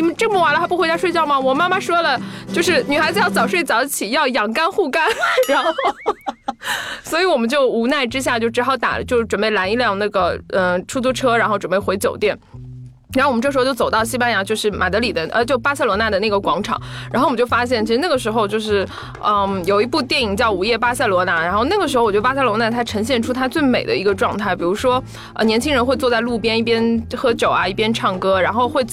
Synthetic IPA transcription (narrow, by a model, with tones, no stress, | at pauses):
i˥˩m˧nʈ͡ʂɤ˥˧ŋpu˥˩wa˧˥lə˧a˥pu˥xwt͡ɕʂe˥˧ɪt͡ɕjɑ˥˩ʊmɐ˨˩wɔ˨˩ma˥ma˥˨ʂwɔ˥lə˨t͡ɕjo˥˧ʊʂɻ̩˥˩ny˨˩a˧˥ɪt͡sɹ̩˧˥jɑ˥˩ʊt͡sɑ˨˩ʊʂwe˥˩ɪt͡sɑ˨˧˥ʊ˥t͡ɕʰi˨˩jɑ˥˩ʊjɑ˨˩ŋka˥nxu˥˩ka˥nɻa˧˥nxo˥o˥˧ʊ | swɔ˧˥i˨˧˥wɔ˨˩mə˦nt͡ɕjo˥˩ʊu˧˥na˥˩ɪʈ͡ʂɻ̩˥ɕ̬ja˥˧t͡ɕjo˥˩ʊʈ͡ʂɻ̩˧˥xɑ˧˥˩ʊt̪a̰˨˩˦t͡ɕjo˥˩ʊʈ͡ʂwə˨˩npe˥˩ɪla˧˥ni˥˧ljɑ˥˧ŋna˥˩ɡə˩ə˥˧ʈ͡ʂʰu˥t͡su˥ʈ͡ʂʰɤ˥ɻa˧˥nxo˥˧ʊʈ͡ʂə˨˩pe˥˩xwe˧˥ɪt͡ɕjo˨˩ʊt̪jɛ˥˩n | ɻa˧˥xo˥˩wɔ˨˩˧ʈ͡ʂɤ˥˩ʂɻ̩˧˥˧t͡ɕo˥˩t͡so˨˩ʊt̪ɑ˥˩ʊɕi˥pa˥nja˧˥t͡ɕjo˥˧ʊʂɻ̩˥˩mʔa̰˨˩d̪ɤ˧˥li˨˩d̪ə˦ʔə˧t͡ɕo˥˧pa˥sa˥ɪlwɔ˧˥na˥˩d̪ə˩na˥˩ɡə˩kwɑ˧˥ŋʈ͡ʂʰɑ̰˨˦ŋɻa˧˥xo˥˩wt͡ɕjʊfa˥ɕ̬jɛ˥˩nt͡ɕʰi˧˥ʂɻ̩˧na˥˩ɡə˩ʂɻ̩˧˥xo˧ʊt͡ɕjʊʂɻ̩˥˩ | ə˥˧jo˨˩ʊi˧˥pu˥˧t̪jɛ˥˩ni˨˩ŋt͡ɕjɑ˥˩ʊu˧˩jɛ˥˩pa˥sa˥ɪlwɔ˧˥na˧˥ɻa˧˥nxo˥˧ʊna˥˩ɡə˩ʂɻ̩˧˥o˥˧˩wt͡ɕa˥sa˥lwɔ˧˥na˥˩t̪ʰa˥ɪʈ͡ʂʰɤ˧˥ŋɕ̬jɛ˥˩nʈ͡ʂʰu˥t̪ʰa˥t͡swe˥˩ɪme˨˩ɪd̪ə̰˦i˧˥ɡə˧ʈ͡ʂwɑ˥˧ŋt̪ʰa˥˩ɪpi˨˩ɻu˧˥ʂwɔ˥ | ə˧njɛ˧˥nt͡ɕʰi˥ŋɻə˧˥nxwe˥˧ɪt͡swɔ˥˧t͡sa˥˧ɪlu˥˩pjɛ˥ni˥˩pjɛ˥nxɤ˥t͡ɕjo˨˩ʊɐ˦i˥˩pjɛ˥nʈ͡ʂʰɑ˥˩ŋkɤ˥ɻa˧˥nxo˥˧ʊxwe˥˧ɪ